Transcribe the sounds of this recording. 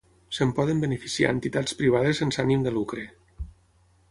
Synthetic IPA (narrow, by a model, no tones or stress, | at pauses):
sempɔðembənefisia̰ent̪it̪at͡sspɾiβ̞að̞esensanimd̪əlukɾe